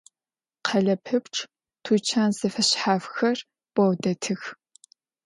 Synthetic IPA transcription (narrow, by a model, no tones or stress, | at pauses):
qʰɐɮɐpʰɨpʈ͡ʂʰʼ | tʰuːt͡ʃʰaːnzɐfɐɕħaːfxɐr | b̥ʷɐwdɐtʰɨx